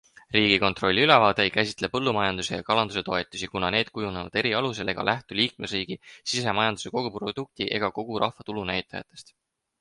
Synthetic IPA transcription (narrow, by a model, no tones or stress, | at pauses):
riːɡ̥iko̞nt̪ˑro̞lʲːiylevɑːd̪̥eejkæsʲi̥t̪ˑle̞pɤ̞lːumɑjɑnd̪usejɑkɑlɑnd̪̥use̞t̪o̞e̞t̪ːˑusikunɑne̞ːd̪̥̚kujunevɑ̰d̪̥e̞ɾiɑlus̬e̞le̞ɡ̥ɑ̰lʔæht̪uliːk̚me̞sriːɡ̥isise̞mɑjɑnd̪u̥se̞ko̞ɡ̥uprod̪̥uk̚t̪iʔe̞̰ɡ̥ɑko̞ɡ̥uɾʔɑhvɑt̪ulunæjt̪ːˑɑjɑ̰t̪ːˑe̞st̪